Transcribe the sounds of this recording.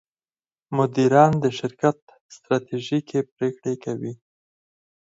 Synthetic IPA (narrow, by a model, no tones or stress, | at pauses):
mʊd̪iɾɑnd̪əʃɪɾkat̪ | st̪ɾɑt̪eʒikʰepɾekɽekawi